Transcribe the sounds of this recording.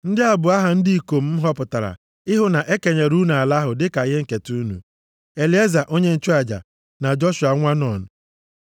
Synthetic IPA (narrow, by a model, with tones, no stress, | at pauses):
n̩˦dɪ˦a˨bʊ˨a˦ɦa˨n̩˦di˦i˨ko˨m̩˦m̩˦ɦɔ˦pʊ˨ta˨ɾa̰˨ | ɪ˦ɦʊ˦na˨ʔe˦ke˨ɲe˨ɾu˦n˨a˨la˦ɦʊ˨dɪ˦ka˨ɣe˦ŋ̩˨ke˨tu˦nṵ˨ | e˨li˨˦e˦za˨ʔo˦ɲe˦n̩˨t͡ʃu˦a˨d͡ʒa̰˨ | na˨d͡ʒɔ˦ʃʊ˨a˨ŋʷa˦nɔ˨nʊ˨